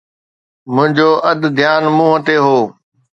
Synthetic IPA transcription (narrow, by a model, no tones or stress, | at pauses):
mʊ̃ɦɪ̃ɲd͡ʑoːʔɐd̪d̪ʱjaːnmũːɦət̪eɦoː